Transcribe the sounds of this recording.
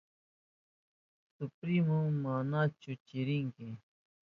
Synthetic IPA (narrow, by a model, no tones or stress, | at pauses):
supɾimũmaːnaːt͡ʃut͡ɕiɾiŋkĩ